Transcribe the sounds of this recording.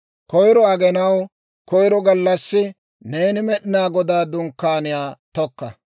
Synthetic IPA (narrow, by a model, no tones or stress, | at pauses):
kɔjɾɔɐɡɛnɐw | kɔjɾɔɡɐlːɐsːɪ | neːnɪmɛɗɪnaːɡɔd̪aːd̪ʊŋkːaːnɪjaːt̪ɔkːɐ